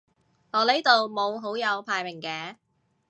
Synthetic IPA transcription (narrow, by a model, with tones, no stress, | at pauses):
ŋɔː˨˧le˨˥jt̪o˨wmo˨˧wɦo˨˥wjɐ˨˧wpʰaː˧jmɪ˨˩ŋkɛː˨˥